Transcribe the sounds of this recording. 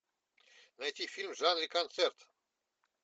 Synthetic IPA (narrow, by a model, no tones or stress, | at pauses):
najt̪ʲifilʲmʒanɾikant̪sɛrt̪